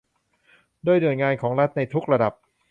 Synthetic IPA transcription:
du˥˩əjnɯ˨˩əjŋaː˧nkʰɔː˩˦ŋɾa˦˥t̪̚na˧jt̪ʰu˦˥k̚ɾa˧da˨˩p̚

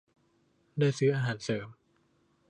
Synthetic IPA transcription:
daː˥˩jsɯː˦˥ʔaː˧ɦaː˩˦nsɤː˩˦m

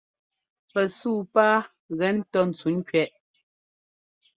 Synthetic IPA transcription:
pɛ˨suː˦˨paː˦ | ɣɛ˨˦n̩˦tɔ˦n̩˨t͡su˨˦n̩˦kɥɛ˦˨ʔ

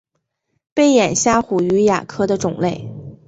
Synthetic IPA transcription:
pe˥˩ɪjɛ˨˩nɕja˥˩xu˨˩y˧˥ja̰˨˩kʰɤ˥d̪ə˨ʈ͡ʂʊ˨˩ŋle˥˩ɪ

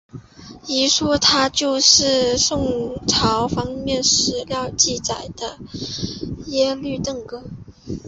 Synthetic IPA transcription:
i˧˥ʂwɔ˥t̪ʰa˥t͡ɕjo˥˧ʊʂɻ̩˥˧ʂʊ˥˩ŋʈ͡ʂʰɑ˧˥ʊfɑ˥ŋmjɛ˥˩˧nʂɻ̩˧˥ljɑ˥˧ʊt͡ɕi˥˩t͡sa˨˩ɪd̪̥ə˦ | jɛ˥ly˥˧t̪ɤ˥˩ŋkɤ˥

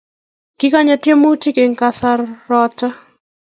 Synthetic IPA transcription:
kɪ˦ka˦ɲa˨tje˦mo˦ti˦ke˨ŋka˨sa˦rːɔ˦tɔ˦

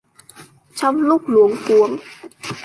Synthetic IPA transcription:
t͡ɕʰɔ˧˥mluː˥˩k̚lu˨˦əŋku˧˦əŋ

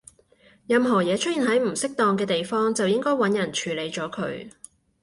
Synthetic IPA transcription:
jɐ˨mɦɔː˨˩jɛː˨˧t͡ʃʰɵ˥t̚iː˨nɦɐ˨˥jm̩˨˩sɪ˥k̚t̪ɔː˧ŋkɛː˧t̪e˨jfɔː˥ŋt͡sɐ˨wjɪ˥ŋkɔː˥jwɐ˨˥njɐ˨˩nt͡ʃʰyː˨˧le˨˧jt͡ʃɔː˨˥kʰɵ̰˨˧ɥ

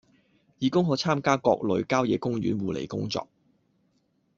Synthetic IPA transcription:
jiː˨˧kʊ˥ŋɦɔː˨˧˥t͡sʰaː˥mkaː˥kɔː˧k̚lɵ˨˧ɥkaː˥wjɛː˨˧˥kʊ˥ŋjyː˨˥nwuː˨˧lḛ˨˩jkʊ̰˥ŋt͡sɔ̰ː˧k̚

